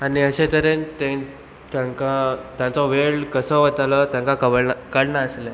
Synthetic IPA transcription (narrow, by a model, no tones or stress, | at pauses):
aniəɕet̪əɾẽnt̪ẽ | t̪jãŋkat̪jãt͡sɔʋeɭkəsəʋət̪alɔt̪jãŋkakəkəɽnaəsle